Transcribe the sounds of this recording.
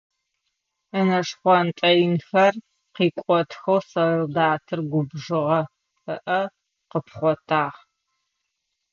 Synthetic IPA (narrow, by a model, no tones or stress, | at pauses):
ənɐʂχʷɔntʼɐjɪnxɐr | qiːkʷʼɔtʰxɐwsɐrɨldaːtʰɨrɡʷʊbʐɨʁɐ | ɨʔɐ | qəpχʷɔtʰaːʁ